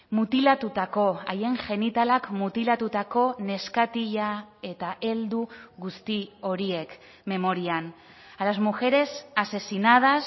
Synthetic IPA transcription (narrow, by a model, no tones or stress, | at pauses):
mut̪ilat̪ut̪ako̞aje̞ŋʝe̞nit̪alakmut̪ilat̪ut̪ako̞ne̞skat̪iʎae̞t̪aʔe̞ld̪uɣust̪io̞ɾie̞k | me̞mo̞ɾian | alazmuxe̞ɾe̞sase̞sinað̞as